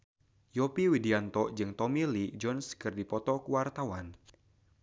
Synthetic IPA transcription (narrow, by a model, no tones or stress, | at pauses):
jɔpiwidiant̪ɔʔd͡ʒɨŋt̪ɔmilid͡ʒɔnskɨrdipɔt̪ɔkuwart̪awan